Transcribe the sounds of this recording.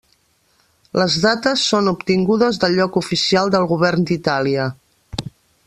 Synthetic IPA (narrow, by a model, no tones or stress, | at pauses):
ləzðat̪əsːonupt̪iŋɡuðəzðəlʎːɔkufisialˠd̪əlˠɣuβɛrnd̪it̪aliə